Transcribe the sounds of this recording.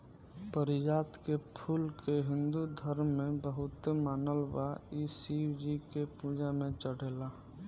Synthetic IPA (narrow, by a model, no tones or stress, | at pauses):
pəɾɪd͡ʒaːt̪kepʰuːlkeɦɪ̃nd̪ud̪ʱəɾmːẽbəɦʊt̪maːnəlwaisiːwd͡ʒikepuːd͡ʒamẽt͡ʃəɽ̤eːlaː